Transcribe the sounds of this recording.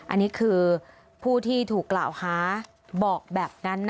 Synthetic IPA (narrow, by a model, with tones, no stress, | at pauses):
ʔa̰˧nːiː˦˥kʰɯː˧ | pʰuː˥˩t̪ʰiː˥˩t̪ʰuː˨˩kːlaː˨˩whaː˩˦ | bɔː˨˩k̚bɛː˨˩p̚na˦˥nː